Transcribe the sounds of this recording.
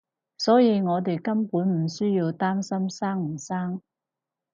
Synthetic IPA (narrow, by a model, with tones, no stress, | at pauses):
sɔː˨˥ji˧ŋɔː˨˧t̪e˨jkɐ˥mpuː˨˥nm̩˨˩syː˥jiː˧wt̪aː˥msɐ˥msaː˥ŋm̩˨˩saː˥ŋ